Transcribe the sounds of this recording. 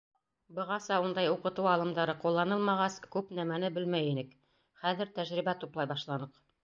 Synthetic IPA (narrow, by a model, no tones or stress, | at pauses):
bɤ̆ʁɑsɑund̪ɑjuqɤ̆t̪ɤwɑlˠɤ̆md̪ɑɾɤqulˠːɑnɤlˠmɑʁɑskʉpnæmænɘbɘlmæjinɘk | χæðɘ̆ɾt̪æʒɾiβbæt̪uplˠɑjbɑʃlˠɑnɤq